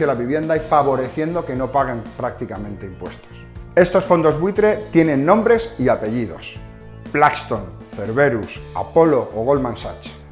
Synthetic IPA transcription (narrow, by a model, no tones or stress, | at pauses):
jalaβiβje̞nd̪aifaβ̞o̞ɾe̞θje̞nd̪o̞ke̞no̞paɣ̞e̞mpɾak̚t̪ikamẽ̞nt̪eimpwe̞st̪o̥se̞st̪o̞sfo̞nd̪o̞zβwit̪ɾe̞t̪je̞nẽ̞nːõ̞mbɾe̞siape̞ʝiðo̞̰s | plakst̪o̞n | fe̞ɾβe̞ɾusa̰po̞lo̞ʔoɣ̞o̞lmãnsa̰t͡ʃ